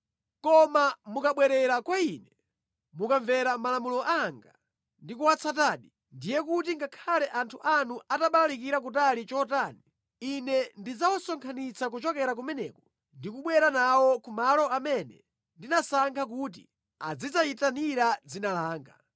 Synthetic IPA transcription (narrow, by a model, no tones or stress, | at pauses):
kɔmamukaɓwɛɾɛɾakwaiːnɛ | mukaɱvɛɾamalamulɔʔaŋɡa | ndikuwat͡sʰataːɗi | ndijɛkutiŋɡakʰalɛʔantʰuʔanuʔataɓalalikiɾakutalit͡ʃɔtaːni | inɛndid͡zawɔsɔŋkʰanit͡sʰak̬ut͡ʃɔkɛɾak̬umɛnɛːkɔ | ndikuɓwɛɾanawɔkumalɔamɛnɛ̰ | ndinasaŋkʰak̬uːt̬i | a̰d͡zizaitaniɾad͡zinalaːŋɡa̰